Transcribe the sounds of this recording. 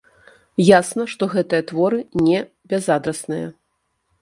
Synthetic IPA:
jasnɐʂt̪ɔɣɛt̪ɨjɐt̪vɔɾɨnʲɛ | bʲɛzad̪ɾɐsnɨjɐ̰

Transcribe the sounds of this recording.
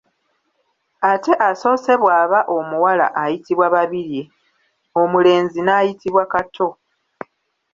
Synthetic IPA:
ate̞ʔaso̞ːse̞βwaːβaʔo̞muwala̰ʔajitiβwaβaβiɾje | o̞mule̞ːnzinaːjitiβwakatʰo̞

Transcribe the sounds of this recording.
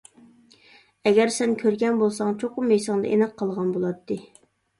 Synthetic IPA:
ɛɡʲɛɾsɛnkʲʰøɾɡʲɛnbolˠsɑŋt͡ʃʰoqʊmɛjsɑŋd̪ɑ̰ʔenɛq̚qʰːɑlˠʁɑnbolˠɑt̪ʰːɨ

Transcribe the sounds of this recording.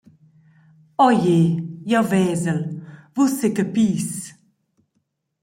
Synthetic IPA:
ɔjejɔvɛːzəlvusekəpiːs

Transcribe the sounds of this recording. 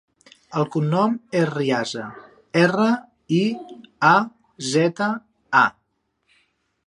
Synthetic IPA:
əlˠkunːɔmeriazə | ɛrə | ia | zɛt̪ə | a

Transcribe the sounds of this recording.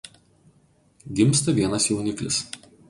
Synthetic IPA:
ɡʲɪmˑst̪ɐʋʲiɛnɐsjɛʊnʲɪklʲɪ̰s

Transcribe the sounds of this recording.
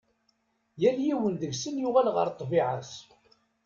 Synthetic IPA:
jæljiwənðəɡsənjʊʁælʁə̰ɾt̪ˤːviʕas

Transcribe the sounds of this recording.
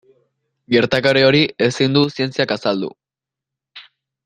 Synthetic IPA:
ɡe̞ɾt̪akaɾeo̞ɾie̞sind̪usie̞nt͡siakasald̪ṵ

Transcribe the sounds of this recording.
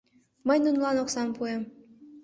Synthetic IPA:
məjnunlˠɑnoksɑmpuem

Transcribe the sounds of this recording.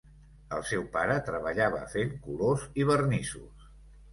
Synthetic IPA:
əlˠsɛwpaɾət̪ɾəβəʎaβə̰feŋkuloziβərnisus

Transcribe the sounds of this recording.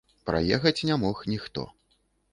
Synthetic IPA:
pɾa̰jɛxɐt͡sʲnʲamɔxnʲixt̪ɔ̰

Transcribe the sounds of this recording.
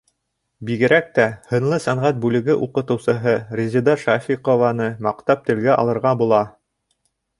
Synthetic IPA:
biɡɘ̆ɾæk̚t̪æhɤ̆nlˠɤsæɴʁæt̪̚bʉlɘ̆ɡɘʔuqɤ̆t̪ɤ̆wsɤ̆ɦɤrʲezʲid̪ɑʃafʲiqovɑnɤmɑqt̪ɑp̚t̪ɘ̆lɡæʔɑ̰lˠɤ̆ɾʁɑbulˠɑ

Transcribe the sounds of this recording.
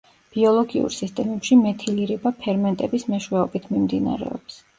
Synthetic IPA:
b̥iɔlˠɔɡiṵɾsist̪ʼɛmɛpʃimɛt̪ʰiliɾɛbapʰɛɾmɛnt̪ʼɛbismɛʃwɛɔbit̪ʰmimd̪ina̰ɾɛ̰ɔ̰ps

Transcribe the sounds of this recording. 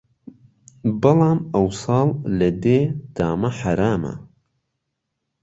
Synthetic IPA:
bɨlɑːmɐwsɑːllɐd̪eːd̪̥aːmɐħaɾaːmɐ̰

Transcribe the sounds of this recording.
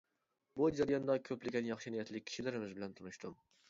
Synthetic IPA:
bud͡ʒaɾjɒnd̪ɒkʲʰɵplɪɡʲɛnjɑχʃɪnijɛt̪lɪk̚ʲʰːi̥ʃɪlɪɾɪmɪzbɪlænt̪ʰʊnʊʃt̪ʊm

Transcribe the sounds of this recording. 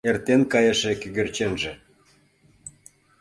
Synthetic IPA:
ert̪enkɑjəʃekyɣø̆rt͡ɕenʒĕ

